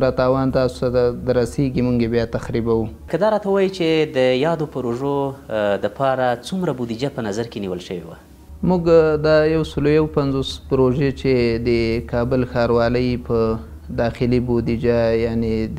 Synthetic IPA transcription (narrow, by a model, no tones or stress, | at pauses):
ɾat̪ɑwɑnt̪ɑsʊ̥t̪ad̪aɾaseɡimuŋɡebjɑt̪axɾibawukəd̪ɑɾɑt̪awɑjit͡ʃed̪əjɑd̪opəɾoʒoləpɑɾat͡sumɾabod̪id͡ʒapənazaɾkeniwəlʃəwewa̰ | muɡd̪ɑjawsəlojawpanzospəɾoʒet͡ʃed̪əkɑbəlxɑɾwɑləjpə | d̪ɑxɪlibod̪id͡ʒajaned̪